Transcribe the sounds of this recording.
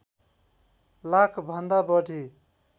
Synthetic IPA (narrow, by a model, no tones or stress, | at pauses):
lakʰbʱʌnd̪abʌʈi